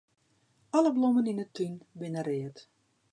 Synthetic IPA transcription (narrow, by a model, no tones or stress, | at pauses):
ɔləbloməninətynbɪnərɪət